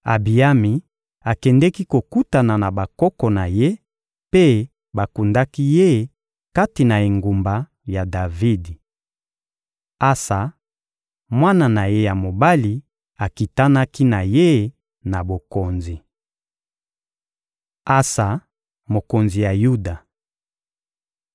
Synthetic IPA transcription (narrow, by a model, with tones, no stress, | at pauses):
a̰˨bi˨a˦mi˨ | a˨kɛ˨ndɛ˦ki˦ko˨ku˦ta˨na˨na˨ba˨kɔ˦kɔ˨na˨je˦ | pe˦ | ba˨ku˨nda˦ki˦je˦ | ka˦ti˨na˨e˨ŋɡu˨mba˨ | ja˨da˨vi˦di˨ | a˦sa˨ | mwa˦na˨na˨je˦ja˨mo˨ba˦li˨ | a˨ki˨ta˦na˦ki˦na˨je˦ | na˨bo˨ko˨nzi˨ | a˦sa˨ | mo˨ko˨nzi˨ja˨ju˦da˨